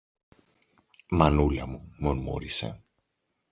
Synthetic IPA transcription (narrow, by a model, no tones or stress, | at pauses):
mɐnulɐmumonmo̰ɾise̞̰